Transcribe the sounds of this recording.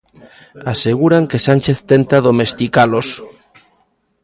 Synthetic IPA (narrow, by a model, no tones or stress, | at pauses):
aseɣ̞uɾaŋkesanʲt͡ʃeθt̪ent̪aðomest̪ikalos